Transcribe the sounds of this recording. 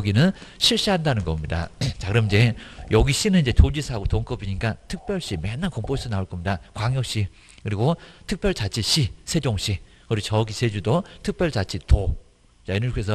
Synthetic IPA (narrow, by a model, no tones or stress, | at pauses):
ʌɡinɯnɕʰiɭɕ͈iɦandanɯnɡʌmɲida̰t͡ɕakɯɾʌmid͡ʑe̞jʌɡiɕ͈inɯnid͡ʑe̞tod͡ʑisʰaɡotoŋk͈ʌbiɲik͈atʰɯk̚p͈jʌɭɕ͈imenːankʌmpʰos͈ʰɯnaoɭk͈ʌmɲidakwaŋjʌk̚ɕ͈i | kɯɾiɡotʰɯk̚p͈jʌɭt͡ɕat͡ɕʰiɕ͈ʰisʰed͡ʑoŋɕ͈i | kɯɾiot͡ɕʌɡisʰed͡ʑudotʰɯk̚p͈jʌɭt͡ɕat͡ɕʰito | t͡ɕainɯkesʰʌ